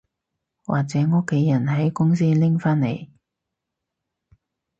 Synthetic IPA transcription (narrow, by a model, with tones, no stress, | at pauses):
wʔa̰ː˨k̚t͡sɛː˨˥ŋɔː˥kʰːe˨˥jɐ˨˩nɦɐ˨˥jkʊ˥ŋs̬iː˥lɪ˥ŋfaː˥nnḛ˨˩j